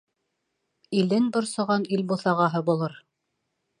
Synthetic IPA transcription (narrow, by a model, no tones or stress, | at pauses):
ilɘnbŏɾsŏʁɑnilbuθɑʁɑɦɤbulˠɤɾ